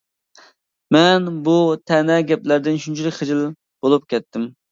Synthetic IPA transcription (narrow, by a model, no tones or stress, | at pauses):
mɛnbut̪ʰɛnɛɡʲɛplæɾd̪ɪnʃʰynt͡ʃʰilɪkʲχɪd͡ʒɪl | b̥olˠup̚kʲɛt̪ːɪm